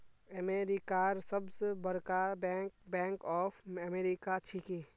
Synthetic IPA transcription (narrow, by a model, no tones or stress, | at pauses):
əmeːɾikaːɾsɐbsebɐɾkabɛ̃ːŋkɔːfəmeːɾikat͡ʃʰikeː